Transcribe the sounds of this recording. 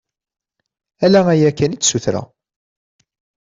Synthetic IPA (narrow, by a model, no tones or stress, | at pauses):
ælææjækːænit͡sːsuθɾæ̰